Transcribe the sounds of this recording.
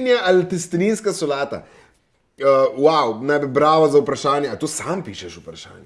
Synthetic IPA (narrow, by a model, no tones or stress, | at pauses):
njaʔalt̪ɛst̪niːnskasɔlaːt̪a̰ | əwawnajbibɾaːʋazɐwpɾɐʃaːnjɛat̪oːsampiːʃɛʃupɾaʃa̰ːnjɛ